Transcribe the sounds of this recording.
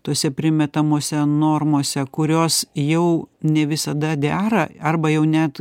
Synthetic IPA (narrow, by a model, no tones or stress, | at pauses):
t̪oːsʲɛpʲɾʲɪmʲɛt̪ɐmoːsʲɛnoːrmoːsʲɛkʊɾʲoːsjɛʊnʲɛʋʲɪsɐd̪ɐd̪ʲæːɾɐɐrbɐjɛʊnʲæt̪